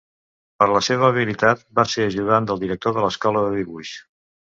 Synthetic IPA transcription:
pəɾləseβəːβ̞ilit̪at̪̚baseəʒuðand̪əlˠd̪iɾək̚t̪oðələskɔləðəðiβuʃ

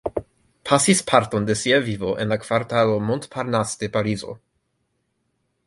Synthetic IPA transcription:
pʰasispʰaɾt̪ond̪esjɛvivoʔenlakvaɾt̪alomont̪pʰaɾnast̪epaɾizo̰

